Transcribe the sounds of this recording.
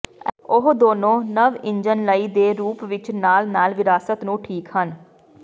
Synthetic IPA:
ʊɦd̪oːnõːnəʋɪɲd͡ʒənləiːd̪eːɾuːpʋɪt͡ʃnaːlnaːlʋɪɾaːsət̪nũːʈʰiːkhən

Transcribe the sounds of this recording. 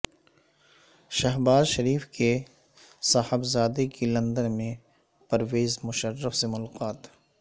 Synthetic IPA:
ʃɐɦbaːzʃɐɾiːfke | saːhɪbzaːd̪ekilɐ̃nd̪ənmẽ | pɐɾʋeːzmʊʃərːəfsemʊlqaːt̪

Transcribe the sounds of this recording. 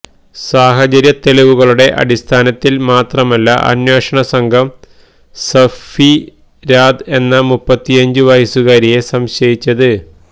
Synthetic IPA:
saːɦɐt͡ɕɐɾjɐt̪elɐʋuɣɐɭuɽe̞ʔɐ̰ɽist̪ʰaːnɐt̪ːilmaːt̪rɐmɐlːɐ̰ʔɐ̰nweːʂɐɳɐsɐŋɡʱɐm | sɐfi | ɾaːd̪e̞nːɐmupːɐt̪ːiɐɲd͡ʑuʋɐjisuɣaːɾije̞sɐmɕɐjit͡ɕːɐðɨ

